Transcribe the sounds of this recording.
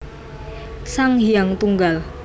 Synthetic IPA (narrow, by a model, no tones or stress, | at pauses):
saŋɦiaŋt̪uŋɡal